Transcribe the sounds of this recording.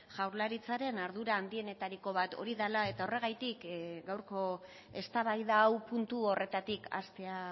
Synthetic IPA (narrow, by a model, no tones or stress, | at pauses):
ʝawɾlaɾit͡saɾe̞naɾðuɾaːnd̪ie̞ne̞t̪aɾiko̞β̞at̪o̞̰ɾiðalae̞t̪ao̞re̞ɣ̞ajt̪ikɡawɾko̞ | e̞st̪aβajðaːwpunt̪uo̞re̞t̪at̪ikʰa̰st̪e̞a